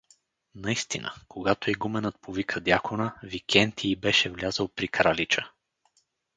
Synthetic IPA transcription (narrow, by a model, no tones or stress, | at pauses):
nɐist̪inʔə̰koɡat̪oiɡumɛnət̪̚povikʰəd̪ʲjakʰonəvikʰʲɛnt̪ʰiːbɛʃɛvlʲazəlˠpɾikɾalit͡ʃə